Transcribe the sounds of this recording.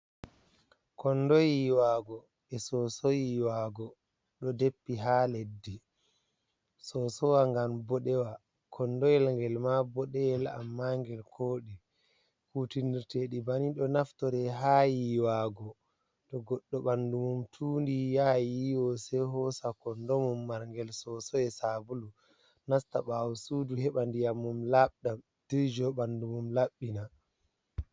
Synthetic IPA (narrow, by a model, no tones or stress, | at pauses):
kʰɔnːdɔjiwaɡɔ | ɛsɔsɔjiwaɡɔ | ɗɔdepːiɦaledːi | sɔsɔwaŋɡambɔɗɛwa | kʰɔnːdɔjɛlŋɡɛlmabɔɗɛjɛla̰mːaŋɡɛlkʰoːɗɛ | kutiniɾteɗibaniɗɔnaftɔɾɛɦajiwaːɡɔ | tɔɡɔɗːɔɓandumumtʰuːndijajiwɔsɛɦɔsakɔndɔmumːaɾŋɡɛlsɔsɔɛsabulu | nastaɓawusuduhɛɓandijamːumlaɓɗam | d̥iɾd͡ʒɔɓandumumlaɓːina